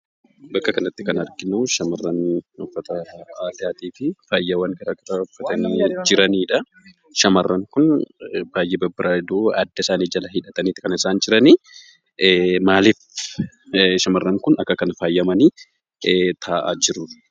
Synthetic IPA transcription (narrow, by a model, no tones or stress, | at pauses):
bɐkːɐkɐnɐt̪ːɪkɐnɐɾɡɪnuːʃɐmɐrːɐnɔfːɐt̪ɐaːd̪ɪjaːt̪iːfɪfaːjːɐwɐŋkɐɾaːkɐɾɐɔfːɐt̪ɐniːd͡ʒɪɾɐniːᶑɐ | ʃɐmɐrːɐŋkʊnbaːjːɛbɐbːɪɾʔaːɪd̪uːɐ̰d̪ːɐɪsaːniːd͡ʒɐlɐhɪᶑɐt̪ɐniːt̪ːɪkɐnɪsaːnd͡ʒɪɾɐni | maːlɪf | ʃɐmɐrːɐŋkʊnɐkːɐkɐnɐfaːjːɐmɐniː | t̪ʰaːʔaːd͡ʒɪrʊ